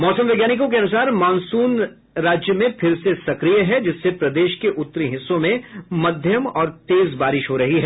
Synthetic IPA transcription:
mɔːsə̃mʋɛɡjaːnɪkõkeɐnʊsaːɾmãːnsuːn | ɾaːd͡ʒjəmẽpʰɪɾsesɐkɾijəɦɛd͡ʒɪsːepɾɐd̪eːʃkeʔʊt̪ːɾiɦɪsːõmẽmɐd̪ʱjəmɔːɾt̪eːzbaːɾɪʃɦoɾɐɦiɦɛː

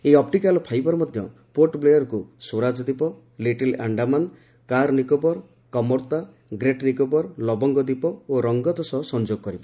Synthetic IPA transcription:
eɔpʈikalɔpʰajbɔɾɔmɔd̪ʱjɔ | poʈblejɔɾkusoɾad͡ʒɔd̪ipɔ | liʈela̰ɳɖaman | kaɾnikobɔɾ | kɔmɔɾt̪a | ɡɾeʈnikobɔɾlɔbɔŋɡɔd̪ipɔoɾɔŋɡɔd̪ɔsɔsɔnd͡ʒoɡɔkɔɾibɔ

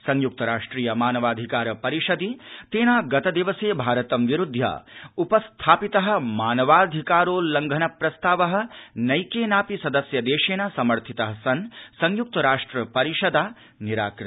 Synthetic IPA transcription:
sɐŋjuk̚t̪ɐɾaːʂʈɾiːjɐmaːnɐʋaːd̪ʱikaːɾɐpɐɾiʃɐd̪it̪eːnaːɡɐt̪ɐd̪iʋɐseːbʱaːɾɐt̪ɐmʋiɾud̪ʱja̰ːupɐst̪ʰaːpit̪ɐɦɐ̆maːnɐʋaːd̪ʱikaːɾoːlɐŋɡʱɐnɐpɾɐst̪aːʋɐɦɐ̆nɐjkeːnaːpisɐd̪ɐsjɐd̪eːʃeːnɐsɐmɐɾt̪ʰit̪ɐɦɐsɐnsɐŋjuk̚t̪ɐɾaːʂʈɾɐpɐɾiʃɐd̪aː | niɾa̰ːkɾ

